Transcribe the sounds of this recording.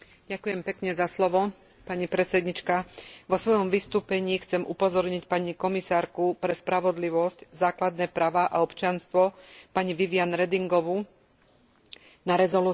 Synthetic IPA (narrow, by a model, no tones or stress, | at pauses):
ɟ̥akujɛmpɛkɲɛzaslɔʋɔ | paɲipɾɛt͡sɛd̪ɲit͡ʃkaʋɔsʋɔjɔmʋist̪uːpɛɲiːxt͡sɛmʔupɔzɔɾɲicpaɲikɔmisaːɾkupɾɛspɾaʋɔd̪liʋɔsczaːklad̪nɛːpɾaːʋaːʔaɔpt͡ʃɪanst̪ʋɔpaɲiʋiʋɪanɾɛd̪iŋɡɔʋu | naɾɛzɔlu